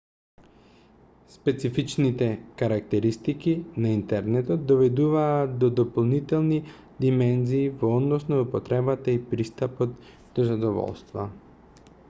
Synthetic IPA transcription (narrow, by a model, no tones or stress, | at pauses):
spɛt̪sifit͡ʃnit̪ɛkaɾak̚t̪ɛɾist̪ikinaint̪ɛɾnɛt̪ɔt̪̚d̪ɔvɛd̪uvaːt̪d̪ɔd̪ɔpolˠnit̪ɛlˠni | d̪imɛnziːvɔɔd̪nɔsnɔupɔt̪ɾɛbat̪aipɾist̪apɔt̪ | d̪̥ɔzad̪ɔvɔ̰lˠst̪va̰